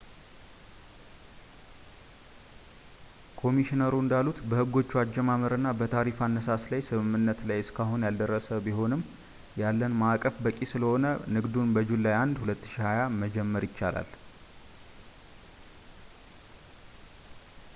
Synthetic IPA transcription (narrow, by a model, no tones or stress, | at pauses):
kʰo̞miʃinəɾuɨnd̪alːut̪bəhɨɡːo̞t͡ʃːuad͡ʒːɛmaməɾɨnːabət̪ʰaɾifanːəsaslajsɨmɨmːɨnːət̪lajɨskʰaɦunjald̪ərːəsəbiɦo̞nɨmː | jalːənmakʼəfbəkʼisɨləho̞nənɨɡd̪unbəd͡ʒulːajand̪hulət̪ːɨ̥ʃihajaməd͡ʒɛmːəɾjɪt͡ʃːala̰l